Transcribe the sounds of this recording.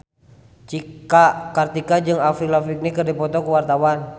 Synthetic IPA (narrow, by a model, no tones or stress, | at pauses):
t͡ʃikakart̪ikad͡ʒɨŋafilafik̚nikərdipɔt̪ɔkuwart̪awan